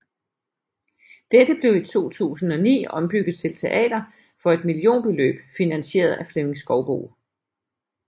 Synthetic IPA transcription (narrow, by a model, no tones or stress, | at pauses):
d̥ed̥əb̥le̝ʊit͡sʰo̝̰ːt͡sʰṵːsn̩ɒ̽nḭːɒ̽mb̥yɡ̥ð̩ˠt͡sʰe̝lt͡sʰe̝ʔɛ̰ːd̥ɐ | fɒ̽e̝d̥milio̝̰ːnb̥e̝lø̰ːb̥finænɕe̝̰ːɐð̞̩ˠʔæfleme̝ŋsɡ̥ɒʊb̥o̝̰ː